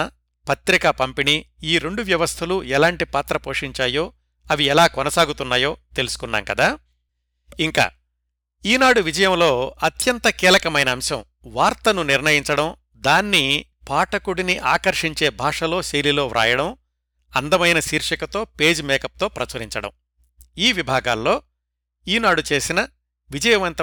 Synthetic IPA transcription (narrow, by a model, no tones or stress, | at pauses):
pɐt̪ɾikɐpɐmpiniiːɾe̞ɳɖuʋjɐʋɐst̪ʰɐluɛlaːɳʈipaːt̪ɾɐpo̞ːʂiɲt͡ʃaːjo̞ː | ɐʋiɛlaːkɔnɐsaːɡut̪unːaːjo̞ːt̪e̞lusu̥kunːa̰ːŋkɐd̪aː | iŋka̰ː | iːnaːɽuʋid͡ʒɐjɐmlo̞ːɐt̪jɐnt̪ɐkiːlɐkɐmɐjnɐːmʃɐm | ʋaːɾt̪ɐnuniɾnɐjiɲt͡ʃɐɽɐm | d̪aːnːi | paːʈɐkuɽiniʔaːkɐɾʂiɲt͡ʃe̞ːbʱaːʂɐlo̞ːʃejlilo̞ːɾʔa̰ːjɐɽɐm | ɐnd̪ɐmɐjnɐsiːɾʂɐkɐt̪o̞ːpe̞ːd͡ʒmɛːkɐp̚t̪o̞ːpɾɐt͡ʃɐɾiɲt͡ʃɐɽɐ̰m | iːʋibʱaːɡa̰ːlːo̞ː | iːnaːɽut͡ʃe̞ːsinɐ | ʋid͡ʒɐjɐmɐnt̪ɐ